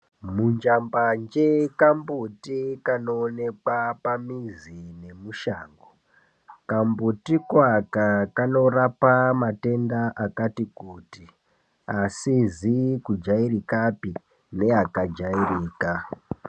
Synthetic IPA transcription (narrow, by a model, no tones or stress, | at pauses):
mund͡ʒamband͡ʒekambutikano̞ːne̞kwapamizine̞muʃaːŋɡo | kambutikwakakano̞rapamate̞ndaʔakatikuːti | asizikud͡ʒairikapi | ne̞akad͡ʒairiːka